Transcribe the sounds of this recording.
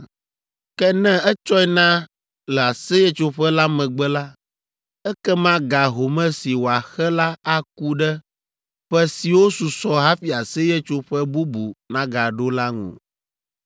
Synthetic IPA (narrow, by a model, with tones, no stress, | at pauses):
kɛ˦nɛ̃˦ɛ˦t͡ʃɔ˦ɛ˦nã˦ | lɛ˨a˨sɛ˦jɛ˦t͡ʃo˦ɸɛ˦la˦mɛ̃˨ɡ͡bɛ˦la˦ | ɛ˦kɛ˦mã˦ɡa˨ɦo˨mɛ̃˦si˨wo˨a˨xɛ˦la˦a˦ku˦ɖɛ˦ | ɸɛ˦si˨wo˦su˨sɔ˦ɦa˦fi˨a˨sɛ˦jɛ˦t͡ʃo˦ɸɛ˦bu˦bu˨nã˦ɡa˨ɖo˦la˦ŋṵ̃˨